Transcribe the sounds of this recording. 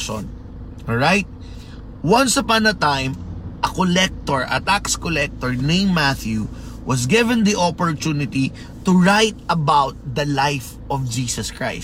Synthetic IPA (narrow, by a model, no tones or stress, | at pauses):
o̰n | ɔlɹajt̪̚ | wɐ̃nsɐpãnd̪ɐt̪ãjmʔɐkɔlɛk̚t̪ɔɹʔɐ̰t̪akskɔlɛk̚t̪ɔɹnẽɪ̃mːaθju | wɐsɡɪvɛ̃nd̪iʔopɔɹt̪unɪt̪i | t̪ʊɹajt̪̚ʔɐbawt̪̚d̪ɐlajf | ʔɔvd͡ʒiːsɐskɹa̰ɪ